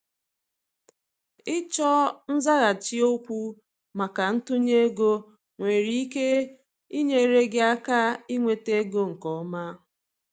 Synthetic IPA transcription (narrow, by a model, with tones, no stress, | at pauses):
ɪ˦t͡ʃɔ˦n̩˦za˦ɣa˨t͡ʃi˦o˦kʷu˦ | ma˨ka˨n̩˦tʊ˦ɲe˦ɡo˦ | ŋʷe˨ɾi˦i˦ke˦ | i˦ɲe˦ɾe˦ɡɪ˦a˦ka˦i˦ŋʷe˨te˦ɡo˦ŋ̩˨kɔ˨˦ma˦